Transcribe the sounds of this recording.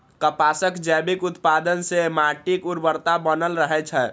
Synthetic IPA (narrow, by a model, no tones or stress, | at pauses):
kəpasəkd͡ʒɛbikut̪pad̪ənsemaʈikuɾbəɾt̪abənəlɾəɦɛt͡ʃʰɛ